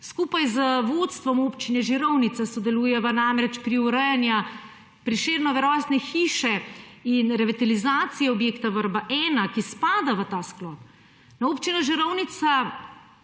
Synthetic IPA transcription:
skuːpajzəʋot̪st̪ʋɔmopt͡ʃinɛʒiɾɔwnit̪sasɔd̪ɛluːjɛʋənamɾɛt͡ʃpɾiuɾəjɛnja | pɾiʃeːɾnɔʋɛɾɔːsnɛxiʃɛinɾɛʋit̪alizaːt̪sijɛɔbjeːkt̪aʋəɾbaʔɛːnakispaːd̪aʋət̪aːsklɔːp | naoːpt͡ʃinɔʒiɾɔwnit̪sa

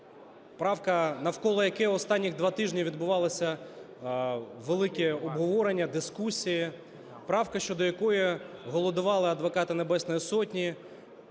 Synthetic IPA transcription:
pɾɑwkɐnɐwkɔlˠɔjɐkɛɔst̪ɑnʲːiɣd̪ʋɑt̪ɪʒnʲiʋʲid̪bʊʋɑlˠɪsʲɐ | ʋelˠɪkʲɛɔbɦɔʋɔɾenʲːɐd̪ɪskusʲiji | pɾɑwkɐʃt͡ʃɔd̪ɔjɐkɔjiɦɔlˠɔd̪ʊʋɑlˠɪɐd̪ʋɔkɑt̪ɪnebɛsnɔjisɔtʲnʲi

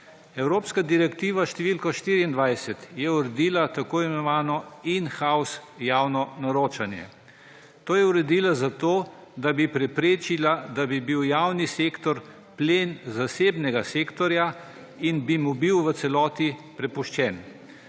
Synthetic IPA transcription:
ɛwɾoːpskad̪iɾɛkt̪iːʋaʃt̪ɛʋiːlkɔʃt̪iːɾiːnd̪ʋajsɛt̪jɛuɾɛd̪iːlat̪akoːimɛnɔʋaːnɔinxausjaːwnɔnaɾoːt͡ʃanjɛ̰ | t̪oːjɛuɾɛd̪iːlazat̪oː | d̪abipɾɛpɾeːt͡ʃilad̪abibiwjawniseːkt̪ɔɾ | pleːnzaseːbnɛɡaseːkt̪ɔɾja | inbimubiwʋət̪sɛlɔːt̪ipɾɛpuʃt͡ʃɛn

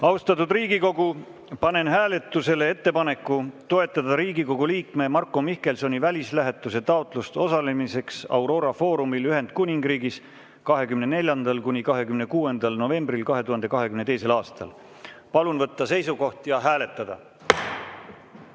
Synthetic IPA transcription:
ɑwst̪ɑt̪ːˑud̪riːɡiko̞ɡ̥u | pɑne̞nɦæːle̞t̪ːˑuse̞le̞e̞t̪ːe̞pɑne̞kːˑut̪o̞e̞t̪ːˑɑd̪ɑɾiːɡiko̞ɡ̥uliːkme̞mɑrkːˑo̞mihke̞lso̞nʲivælʲislæɦe̞t̪ːˑuse̞t̪ɑot̪ˑlust̪o̞sɑle̞mise̞ksɑ̰wɾo̞ːɾɑfo̞ːɾumilyɦe̞nd̪̥̚kunʲiŋɡ̥riːɡis | kɑɦe̞kymne̞ne̞lʲjɑnd̪̥ɑlkunʲikɑɦe̞kymne̞kuːe̞nd̪̥ɑlno̞ve̞mbrilkɑɦe̞t̪uhɑnd̪e̞kɑɦe̞kymnet̪e̞jse̞lɑːst̪ɑ̰l | pɑlunvɤt̪ˑːɑse̞jsuko̞ht̪jɑɦæːle̞t̪ːˑɑd̪̥ɑ̰

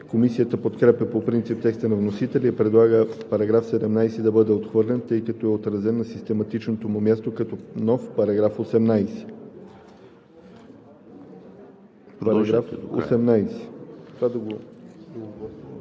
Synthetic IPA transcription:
komisijət̪əpot̪kɾɛpɛpopɾint̪sip̚t̪ɛkst̪ənɐvnosit̪ɛlʲiipɾɛd̪lˠaɡəpɐɾɐɡɾafsɛd̪ɛmnajsɛd̪ɐbɤd̪ɛot̪xvɤɾlʲɛnt̪ɤjkɐt̪oɛot̪ɾɐzɛnːɐsist̪ɛmɐt̪it͡ʃnot̪omʊmʲjast̪okɐt̪ɔnɔfpɐɾɐɡɾafosɛmnajsɛ̥ | ɾɐɡɾafo̰sɛmnajsɛ̥t̪vad̪ɐɡoooɡɔ

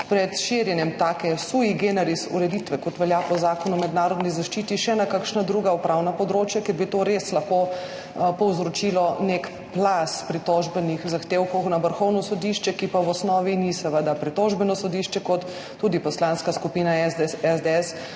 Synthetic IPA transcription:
pɾɛt̪ʃiɾjɛnjɛmt̪aːkɛsuiɡeːnɛɾisṵɾɛd̪it̪ʋɛkɔt̪ʋɛljapɔzaːkɔnumɛd̪naːɾɔd̪nizaʃt͡ʃiːt̪iʃɛnakakʃnad̪ɾuɡaupɾawnapɔd̪ɾoːt͡ʃjakɛɾbit̪oɾeslaxko | pɔwzɾɔt͡ʃilɔnek | plaspɾit̪ɔʒbɛnixzaxt̪eːwkɔwxnaʋəɾxɔwnɔsɔd̪iʃt͡ʃɛkipawɔsnɔːʋinisɐʋəd̪apɾit̪ɔʒbɛnɔsɔd̪iʃt͡ʃɛkɔt̪ː | uːd̪ipɔslanskaskupiːnaɛzd̪ɛs

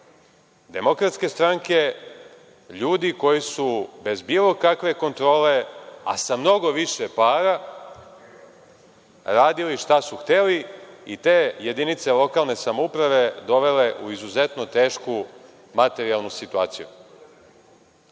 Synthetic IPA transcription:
d̪e̞mo̞kɾat̪ske̞st̪ɾaŋke̞ | ʎuːd̪iko̞jisube̞zbilˠo̞kakʋe̞ko̞nt̪ɾo̞ːle̞a̰samno̞ɡo̞ʋiʃepaːɾa | ɾaːd̪iliʃt̪asuxt̪eliit̪e̞ːje̞d̪init̪se̞lo̞kaːlˠne̞samoupɾaʋe̞d̪o̞ʋe̞le̞ʔuizuze̞t̪no̞t̪e̞ːʃku | mat̪e̞ɾialˠnusit̪ua̰ːt̪sijṵ

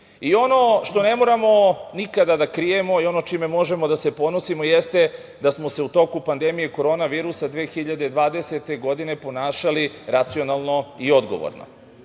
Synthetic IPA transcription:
io̞no̞ʃt̪o̞ne̞mo̞ɾamo̞nikad̪ad̪akɾije̞mo̞io̞not͡ʃime̞mo̞ʒe̞mo̞d̪ase̞po̞nosimo̞jest̪e̞ | d̪asmo̞se̞ut̪o̞kupand̪e̞mije̞ko̞ɾo̞ːnaʋiːɾusad̪ʋeːxiʎad̪ed̪ʋaːd̪e̞set̪e̞ɡo̞d̪ine̞po̞naːʃaliɾat̪sio̞nalˠno̞io̞d̪ɡo̞̰ʋo̰ɾno̰

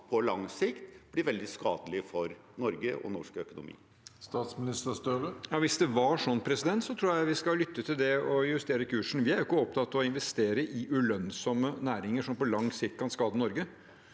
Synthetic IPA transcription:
pʰɔlɑ̰ŋsɪkt̪b̥lɪɾʋɛld̪ɪskɑ̰ːd̪əlɪfɔɾnɔɾɡəʔɔ̰nɔʂkœkʊnʊ̰mḭː | st̪ɑːt̪smɪnɪst̪əst̪øːʁəjɑːʋɪsd̪ɛʋɑʂɔnːpʰɾɛsɪd̪ɛnt̪sɔt̪ʰɾuːɾjæɪʋɪskɑlʏt̪ːət̪ʰɪld̪ɛɔjʉst̪eːɾəkʰʉːʂn̩ʋɪæɾjʊkːəɔp̚t̪ʰɑt̪ːɔɪnʋɛst̪eːɾəʔɪʔʉlœnsɔmənæːɾɪŋəʂɔmpɔlɑŋsɪkt̪̚kʰɑnskɑːd̪ənɔɾɡə

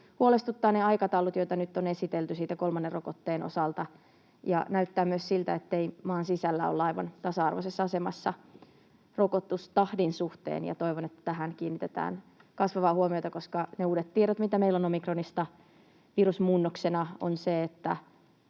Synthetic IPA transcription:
huolest̪ut̪ːɑːneɑikɑt̪ɑulut̪jojt̪ɑnyt̪ːonesit̪elt̪ysiːt̪ækolmɑnːerʔokot̪ːeːno̰sɑlt̪ɑ | jɑ̰næyt̪ːæːmyøssilt̪æ̰et̪ːeimɑːnsisælːæ̰o̰lːɑiʋɑ̰nt̪ɑsɑɑrʋo̰sesːɑɑsemɑ̰sːɑ̰ | rokot̪ust̪ɑhdinsuht̪ḛːnjɑ̰t̪oiʋonet̪ːæ̥t̪æɦænkiːnːit̪et̪æ̰ːnkɑsʋɑʋɑːhuomiot̪ɑkoskɑneuːdet̪t̪ieɾæt̪mit̪æmeilːonomikronist̪ɑ | ʋiɾusmuːnːoksenɑo̰nseet̪ːæ

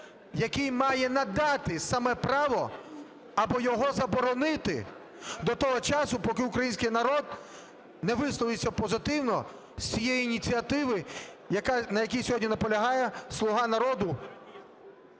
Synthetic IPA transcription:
jɐkɪjmɑjɛnɐd̪ɑt̪ɪsɐmɛpɾɑʋɔ | ɐbɔjɔɦɔzɐbɔɾɔnɪt̪ɪ̰ | d̪ɔt̪ɔɦɔt͡ʃɑsʊpɔkɪʊkɾɐjinʲsʲkɪjnɐɾɔd̪̚ | nɛʋɪslˠɔʋɪsʲːɐpɔzɪt̪ɪwnɔ | sʲt͡sʲijejiːnʲit͡sʲiɐt̪ɪʋɪ | jɐkɑnɐjɐkʲijsʲɔɦɔdʲnʲinɐpɔlʲɐɦɑjɛslˠʊɦɑnɐɾɔd̪ʊ

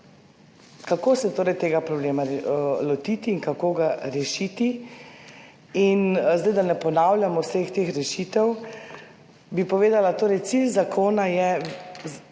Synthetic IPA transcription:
kakoːsɛt̪oːɾɛjt̪eːɡapɾɔbleːmaɾlɔt̪iːt̪iːŋkakoːɡaɾɛʃiːt̪i | inzd̪ɛjd̪anɛpɔnaːwlʲjamɔwsext̪eːxɾɛʃit̪ɛw | bipɔʋeːd̪alat̪oːɾɛjt̪silzakʰoːnajɛ

